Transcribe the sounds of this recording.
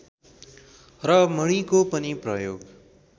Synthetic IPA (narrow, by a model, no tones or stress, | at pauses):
rʌmʌɽ̃ikopʌniprʌjo̰ɡ